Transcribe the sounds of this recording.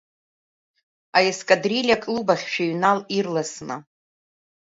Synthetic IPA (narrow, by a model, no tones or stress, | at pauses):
ajeskʼadrilʲakʼlubaχʲʃᶣaɥnalirlasna̰